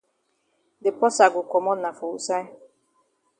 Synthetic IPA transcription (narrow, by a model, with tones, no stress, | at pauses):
dɪ˨pɔ˦sa˨ɡʊ˨kɔ˨mɔ˦na˨fu˨u˦sa˦